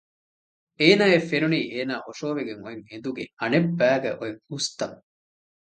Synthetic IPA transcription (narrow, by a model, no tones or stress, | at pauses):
eːnaːefeɾuniːʔeːnaːʔoʃoːʋeɡeŋoeŋed̪uɡeɐnebːæːɡæ̰ʔoeŋust̪ɐŋ